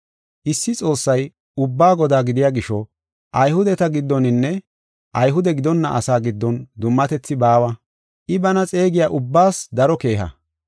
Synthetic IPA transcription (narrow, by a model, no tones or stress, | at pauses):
ʔɪsːɪt͡sʼo̞ːsːɐj | ʊbːaːɡɔd̪aːɡɪd̪ɪjaːɡɪʃɔ | ʔɐjhʊd̪ɛt̪ɐɡɪd̪ːɔnɪnːɛ | ʔɐjɦʊd̪ɛɡɪd̪ɔnːɐʔɐsaːɡɪd̪ːɔnd̪ʊmːɐt̪ɛt͡sːɪbaːwɐ | ʔɪbɐnɐt͡sʼe̞ːɡɪjaːʔʊbːaːsd̪ɐɾɔke̞ːɦɐ̰